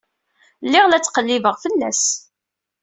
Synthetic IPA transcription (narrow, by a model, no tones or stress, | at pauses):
lːɪʁlæt͡sːqəlːivəʁfəlːæs